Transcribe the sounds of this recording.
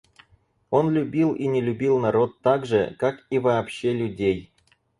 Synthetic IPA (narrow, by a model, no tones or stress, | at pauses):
onlʲubʲilˠinʲelʲubʲilˠnɑɾot̪ːɑɡʐəkɑkivaːpɕelʲudʲej